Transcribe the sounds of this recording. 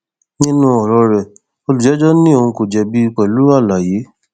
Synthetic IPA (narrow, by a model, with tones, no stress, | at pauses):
nĩ˦nũ˦ɔ˨ɾɔ˧ɾɛ˨ | o˧lu˨d͡ʒɛ˨˦d͡ʒɔ˦nĩ˦o˧˨ũ˧ko˨d͡ʒɛ˨bi˦˧k͡pɛ˨lu˨˦ɾa˦˨la˨je˨˦